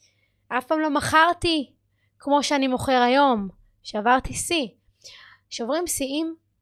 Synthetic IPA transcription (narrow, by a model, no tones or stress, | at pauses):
ʔafpaːmlo̞maχaʁt̪i | kmo̞ʃeanimo̞χe̞ʁajo̞m | ʃeavaʁt̪isi | ʃeovʁimsiim